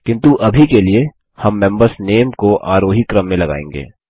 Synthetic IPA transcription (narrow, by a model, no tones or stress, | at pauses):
kɪ̃nt̪uʔɐbʱikelie | hɐmːɛ̃mbəɾsneːmkoʔaːɾoːɦikɾəmːẽlɐɡa̰ːḛ̃ːŋ̆ɡḛː